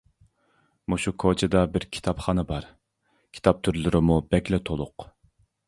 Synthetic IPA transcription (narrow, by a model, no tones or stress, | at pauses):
muʃukʰot͡ʃʰɪd̪ɑbɪɾkʲʰi̥t̪ʰɑpχɑnɨbɑɾ | kʲʰi̥t̪ʰɑp̚t̪ʰyɾlyɾɪmubɛɡʲlɛt̪ʰolˠʊq